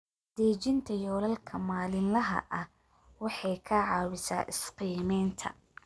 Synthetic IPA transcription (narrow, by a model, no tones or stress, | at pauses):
d̪̥ɛːt͡ʃɪnt̪ʰɐjɔːlɐlkʰɐmaːlɪnlɐɦɐ̰ʔɐh | wɑħɑjkʰɐʕɑːwɪsa̰ːʔɪsqiːmɛjnt̪ʰɐ̰